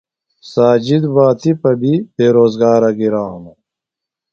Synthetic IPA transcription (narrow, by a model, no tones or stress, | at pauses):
saːd͡ʑid̪baːt̪ipɐbʱibeːɾoːzɡaːɾɐɡiɾaːɦunu